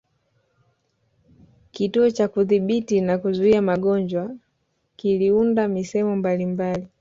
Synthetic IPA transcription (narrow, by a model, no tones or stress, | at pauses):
kituɔt͡ʃakuðiɓitinakuzuiamaɠɔɲd͡ʒwa | kiliundamisɛɛmɔmbalimbali